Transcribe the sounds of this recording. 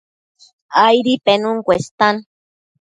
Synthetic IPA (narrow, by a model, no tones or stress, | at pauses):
ajɾipenuŋkʷest̪an